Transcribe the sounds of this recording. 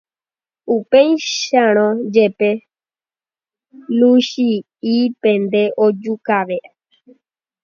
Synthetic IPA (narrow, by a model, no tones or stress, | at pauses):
upej̃ʃãɾ̃õd͡ʒepe̞ | luʃi | ipẽnd̪e̞ʔod͡ʒukaʋe